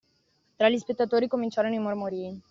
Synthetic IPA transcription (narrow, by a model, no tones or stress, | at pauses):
t̪ɾaʎispet̪ːat̪oːɾikomint͡ʃaːɾonoimormoɾiːi